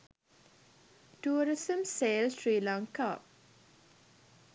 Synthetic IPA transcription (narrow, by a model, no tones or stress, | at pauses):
ʈuːɾɪsə̃mseːlsɾiːlãŋkap̚